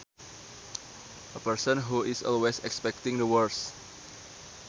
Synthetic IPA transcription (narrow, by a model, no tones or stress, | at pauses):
ʔəpəɹsə̃nɦuʔɪsɔ̰lwesɛkspɛk̚t̪ɪ̃ŋd̪əwəɹs